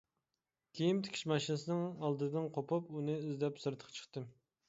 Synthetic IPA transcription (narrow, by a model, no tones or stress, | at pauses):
kʲʰejimt̪ʰɪ̥kʲʰi̥ʃmɑʃinɨsɨnɨŋɑlˠd̪ɨd̪ɨnqʰopʰɑpunɨyzd̪ɛpsɨɾt̪ʰə̥qʰɑ̥t͡ʃʰə̥χt̪ɨ